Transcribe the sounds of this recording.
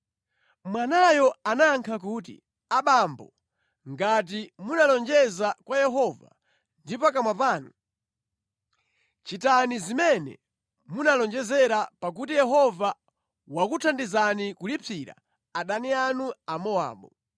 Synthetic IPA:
mwanajɔanaŋkʰak̬uːtḭ | aɓambɔ | ŋɡat̬imunalɔnd͡ʒɛzakwajɛɦɔva̰ | ndipak̬amwap̬aːnu | t͡ʃitanizimɛnɛ̰ | munalɔnd͡ʒɛzɛɾapak̬utijɛɦɔva | wakutʰandizanikulipʰiɾa̰ | aɗanianuamɔa̰ːɓɔ

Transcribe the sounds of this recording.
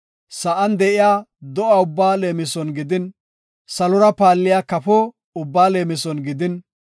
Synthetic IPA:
sɐʔɐnd̪ɛʔɪjaːd̪ɔʔaʊbːaːleːmɪsɔnɡɪd̪ɪn | sɐlɔɾɐpaːlːɪjaːkɐpɔ | ʊbːaːleːmɪsɔnɡɪd̪ɪn

